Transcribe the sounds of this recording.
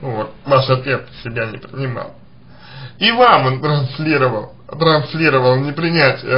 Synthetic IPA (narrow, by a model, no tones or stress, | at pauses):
vot̪̚vaʂɐt̪vʲet̪sʲɪbʲænʲɪpɾʲɪnʲɪma̰lˠ | ivamont̪ɾɐnslʲiɾəvəlˠ | t̪ɾɐnsʲlʲiɾəvəlˠnʲɪpɾʲɪnʲætʲɪə